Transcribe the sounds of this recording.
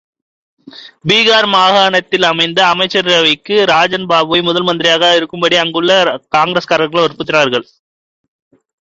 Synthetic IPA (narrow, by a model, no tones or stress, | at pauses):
biːɣaːɾmaːɣaːɳɐt̪ːɪlɐmɐɪnd̪ɐːmɐɪt͡ʃːɐɾɪɾɐʋɐɪkːɯɾaːd͡ʒɐnbaːbɯʋɐɪmʊðɐlmɐnd̪ɪɾɪjaːɣaːɪɾɯkːɯmbɐɽiɐŋɡɯɭːɐkaːŋɡɾeskaːɾɐɾɣɐɭɔɾɯpːɯt̪ːɪnaːɾɣɐɭ